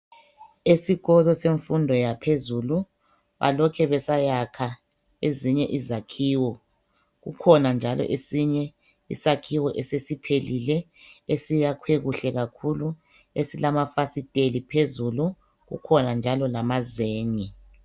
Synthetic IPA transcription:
esiɣɔlɔseɱfundʱɔjapʰezulu | βa̰lɔkʰɛβɛsajakʰa | eziɲɛʔizakʰiːwɔ | ɣukʰɔnand͡ʒʱalɔ̰ʔesiɲɛ | ḭsakʰiwɔʔɛsesipʰelilɛ | esijakʰweɣuɬɛɣakʰulu | esilamafasitʼelipʰezulu | ɣṵkʰɔnand͡ʒʱalɔlamazeːŋi

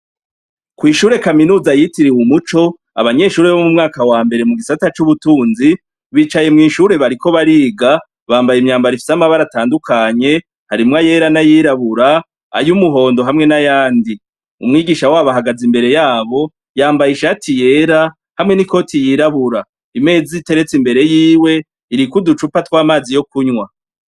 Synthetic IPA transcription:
kwiːʃuːɾe̞kaminuːzajitiɾiwumut͡ʃo̞ | a̰βaɲe̞ʃuːɾe̞βomumŋaːkawaːmbe̞ɾe̞muɡisatat͡ʃuβutuːnzi | βiːt͡ʃaje̞mŋiːʃuːɾe̞βaɾiko̞βaɾiːɡa | βaːmbajimɲaːmbaɾifi̥samaβaɾataːndukʰaɲe̞ | haɾimŋaje̞ːɾanajiːɾaβuɾa | a̰jumuɦo̞ːndo̞ɦamŋe̞najaːndi | ṵmŋiːɡiːʃawaːβaɦaɡazimbe̞ɾe̞jaːβo̞ | jaːmbajiʃatʰije̞ːɾa | hamŋe̞niko̞tijiɾaβuɾa | ime̞ːd͡zite̞ɾe̞t͡simbe̞ɾe̞jiːwe̞ | iɾikudut͡ʃupatwaːmaːzijo̞kuɲwa

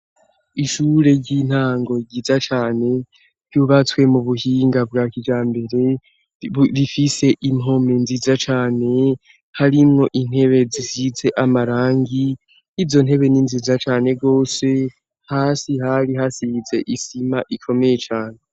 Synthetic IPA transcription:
iʃuːɾe̞ɟin̥haːŋɡo̞ɟizat͡ʃaːne̞ | ɾjuβat͡swe̞muβuhiːŋɡab̚ɡaːkid͡ʒaːmbe̞ɾe̞ | ɾifise̞ʔimo̞menzizat͡ʃaːne̞ | haɾimŋo̞ʔin̥he̞βe̞zisize̞ʔamaɾaːŋɡi | izo̞n̥e̞βe̞ninzizat͡ʃaːne̞ɡo̞ːse̞ | haːsiɦaɾiɦasize̞ʔisimaʔikʰo̞me̞je̞t͡ʃaːne̞

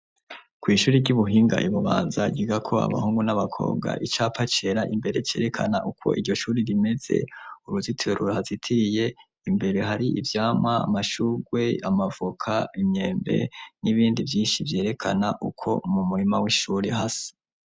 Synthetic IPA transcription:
kwiːʃuːɾiɟuβuɦiːŋɡa̰ʔiβuβa̰ːnzaɟiɡakʰo̞a̰βa̰huːŋɡunaβakʰo̞̰ːbɡa̰ʔit͡ʃaːpat͡ʃe̞ɾaʔimbe̞ɾe̞t͡ʃe̞ːɾe̞kʰa̰naʔukʰo̞̰ʔiɟo̞ʃuːɾiɾime̞z̥e̞̰uɾuzitʰieɾuɾahazitʰiɾije̞ | imbe̞ɾe̞ɦaɾiivjaːmwa̰ːmaʃuːɡwe̞amavukʰaimɲe̞ːmbe̞̰niβiːndivjiːnʃivje̞ːɾe̞kʰanaʔukʰo̞̰mumuɾimawiʃuːɾehasi̥

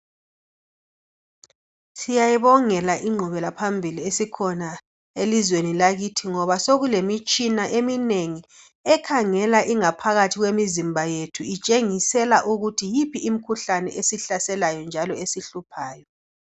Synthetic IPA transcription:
sijajiβɔŋɛlaʔiŋ͡ǃʱuβɛlapʰambʱiliesikʰɔna | elizwenilaɣitʰiŋɔβasoɣulemit͡ʃʼinaʔemineŋi | ɛkʰaŋɛlaʔiŋapʰaɣatʰiɣwemizimbʱajetʰuit͡ʃʼeŋisɛlaʔuɣutʰijipʰiːmikʰuɬanɛ̰ʔesiɬasɛlajɔnd͡ʒʱalɔesiɬupʰaːjɔ

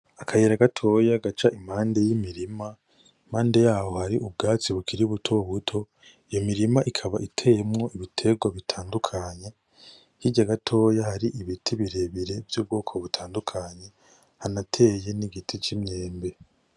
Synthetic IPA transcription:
akʰajeɾaɡatʰo̞jaɡat͡ʃaʔimhaːnde̞jimiɾima | m̥haːnde̞jaːwo̞haɾiʔub̚ɡaːt͡siβukʰiɾiβutʰoβutʰo̞ | ijomiɾimaʔikʰaβaʔitʰe̞jemŋo̞ʔiβitʰe̞ɡwaβitʰaːndukʰaɲe̞ | hiɟaɡatʰo̞ːjahaɾiʔiβitʰiβiɾe̞βiɾe̞vjuːb̚ɡo̞ːkʰo̞βutʰaːndukʰaɲe̞ | hanatʰe̞ːje̞niɡitʰit͡ʃimɲe̞ːmbe̞

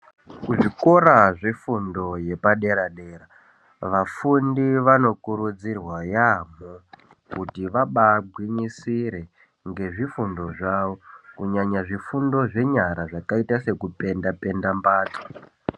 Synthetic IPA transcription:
kuʐiko̞ɾaʐefundo̞je̞paɗe̞ɾaɗe̞ːɾa | ʋafundiʋano̞kuɾud͡zirwajamo | kutiʋaɓabʱwiɲisiɾe̞ | ŋɡe̞ʐifundo̞ʐaːʋo̞kuɲaɲaʐifundo̞ʐe̞ɲaɾaʐakaitase̞kupe̞ndape̞ndambaːtḁ

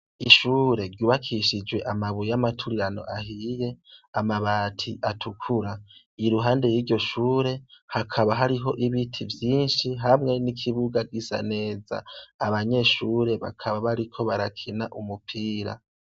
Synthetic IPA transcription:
iʃuːɾe̞ɾɟuːβakʰiʃid͡ʒwe̞ʔamaβujamatʰuɾiɾano̰ʔaɦije̞amaβaːtʰiʔatʰukʰuɾa | iɾuɦaːnde̞jiːɾɟo̞ʃuːɾe̞hakʰaβaɦaɾiɦo̞ʔiβitʰivjiːnʃiɦamŋe̞nikʰiβuɡaɡɡisa̰ne̞ːza̰ːβaɲe̞ʃuːɾe̞βa̰kʰaβaβaɾikʰo̞βaɾakʰinaʔumupʰiːɾa̰

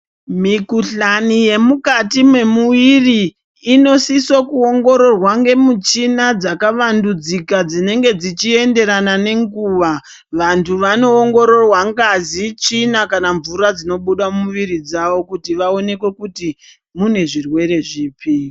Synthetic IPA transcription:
mikuɬanije̞mukatimwe̞muʋiriː | no̞sisokuoŋɡo̞ɾo̞rwaŋɡe̞mut͡ʃinad͡zakaʋandud͡zikad͡zine̞ŋɡe̞d͡zit͡ʃie̞nde̞ɾanane̞ŋɡuːʋa | ʋantʰuʋano̞ːŋɡo̞ɾo̞rwaŋɡazit͡ʃinakanaɱvuɾad͡zino̞ɓuɗamumuʋiɾid͡zaʋo̞kutiʋao̞ne̞kwe̞kuti | mune̞ʐirwe̞ɾe̞ʐiːpi

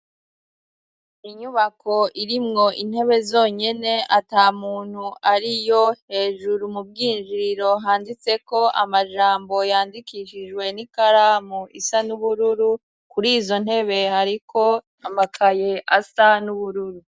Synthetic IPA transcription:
iɲuβako̞ʔiɾimŋo̞ʔin̥he̞βe̞zo̞ːɲe̞ne̞ʔataːmuːn̥huʔaɾijo̞he̞ːʒuɾumub̚ɡiːnʒiɾiɾo̞ɦaːndit͡se̞ko̞ʔamaʒaːmbo̞jaːndikiʃiʒwe̞nikaɾaːmuʔisanuβuɾuɾu | kuɾiːzo̞n̥e̞βe̞haɾikʰo̞ | amakʰaje̞ʔasanuβuɾuɾu

